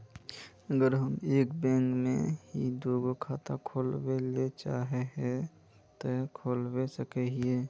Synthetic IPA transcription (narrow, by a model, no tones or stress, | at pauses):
əɡəɾɦəmeːkbɛ̃ːŋkmḛ̃ɦid̪oːɡokʰaːt̪akʰoːlwelet͡ʃaːɦeɦɛ̃ | t̪okʰoːlwesəkeɦieː